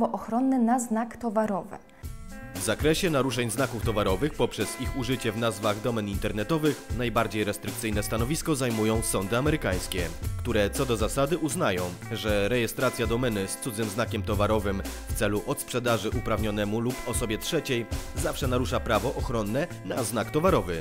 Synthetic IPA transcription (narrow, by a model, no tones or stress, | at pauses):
ɔʔɔxɾɔnːɛnaznakt̪ɔvaɾɔvɘ̰ | vzakɾɛɕɛnaɾuʂɛɲznakuft̪ɔvaɾɔvɘxpɔpʂɛz̥ixuʐɘt͡ɕɛvnazvaɣd̪ɔmɛnint̪ɛɾnɛt̪ɔvɘxnajbaɾd͡ʑejɾɛst̪ɾɘk̚t̪sɘjnɛst̪anɔvʲiskɔzajmujɔ̃w̃sɔnd̪ɘamɛɾɘkaj̃skʲɛkt̪uɾɛt̪sɔd̪ɔzasad̪ɘʔuznajɔ̃w̃ | ʐɛɾɛjɛst̪ɾat̪sʲjad̪ɔmɛnɘst̪sud̪zɘmznakʲɛmt̪ɔvaɾɔvɘmft̪sɛluʔɔt̪spʂɛd̪aʐɘʔupɾavɲɔnɛmulupɔsɔbʲjɛtʂɛt͡ɕejzafʂɛnaɾuʂapɾavɔʔɔxɾɔnːɛ | naznakt̪ɔvaɾɔvɘ